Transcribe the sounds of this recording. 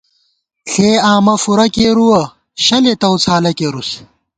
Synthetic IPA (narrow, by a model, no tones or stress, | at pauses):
ɬeːaːmɐfuɾɐkeːɾuwɐ | ɕɐlet̪ɐwt͡sʰaːlɐkeːɾus